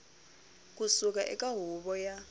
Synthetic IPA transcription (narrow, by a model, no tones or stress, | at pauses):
kʼusuk̬ʼaʔɛ̰kʼaɦuɓɔja